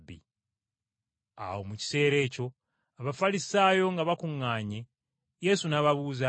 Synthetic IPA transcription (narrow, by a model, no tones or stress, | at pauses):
bːḭ | a̰wo̞muci̥se̞ːɾe̞ːco̞ | aβafalisaːjo̞ŋɡaβakuŋːaːɲe̞ | je̞sunaβaβuza